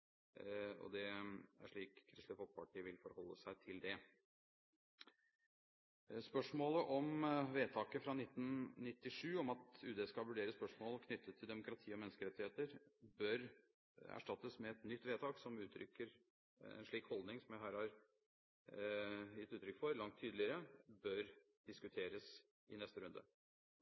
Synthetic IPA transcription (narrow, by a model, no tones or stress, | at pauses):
ɔ̰d̪ɛæ̰ʂɭiːkʰːɾɪst̪ɪfɔlkpʰɑʈʰiːəʋɪlfɔɾhɔlːəsæɪt̪ʰɪld̪ɛ | spœʂmoːləʔɔmʋeːt̪ʰɑːkəfɾɑnɪt̪ːnnɪt̪ːɪʂʉːɔmɑt̪ʉːd̪ɛskɑʋʉɖeːɾəspœʂmoːlkʰnʏt̪ːət̪ʰːɪld̪ɛmʊkɾɑt̪ʰiːɔmɛnːəskəɾɛt̪ːɪeːt̪əɾbœɾ | æ̰ʂʈɑt̪ːəsmɛɛt̪nʏt̪ːʋeːt̪ʰɑːksɔmʉːt̪ʰɾʏ̰kːəɾ | ɛ̰nʂɭiːkhɔld̪nɪŋsɔmjæɪɦæːɾhɑɾ | jɪt̪ːʉːt̪ɾʏkfɔɾlɑŋt̪ʰːyːd̪l̩ɪəɾəbœɾ | d̪̥ɪskʉt̪ʰeːɾəs | ɪnɛst̪əɾʉnd̪ə̰